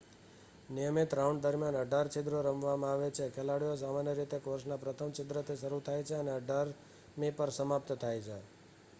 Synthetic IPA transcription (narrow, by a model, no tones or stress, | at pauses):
nijəmit̪ɾauɳɖd̪əɾmjanəɖʱaɾt͡ʃɪd̪ɾoɾəmʋamãaʋet͡ʃʰekʰelaɽijos̬amanjəɾit̪ekoɾsnapɾət̪ʰəmt͡ʃɪd̪ɾət̪ʰiʃəɾut̪ʰajt͡ʃʰeəneəɖʱaɾ | nipəɾsəmap̚t̪t̪ʰajt͡ʃʰe